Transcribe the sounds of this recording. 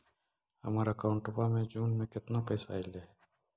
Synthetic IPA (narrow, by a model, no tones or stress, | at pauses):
hə̰maːɾəkaːʊɳʈʊpamẽd͡ʒuːnmẽkɪt̪napɛːsaːileː